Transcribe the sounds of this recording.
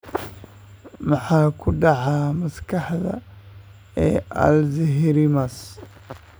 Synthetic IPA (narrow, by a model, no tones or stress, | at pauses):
mɑħɑːkʰʊɖɑʕɑmɐskʰɑħðɐ̰ | ɛːʔɐ̰lzɪɦɪɾɪmɐs